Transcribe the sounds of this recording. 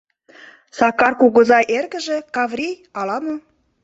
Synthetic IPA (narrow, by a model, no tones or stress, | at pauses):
sɑkɑrkuɣɤ̆zɑʔerɣə̆ʒĕkɑvrʲijɑlɑmo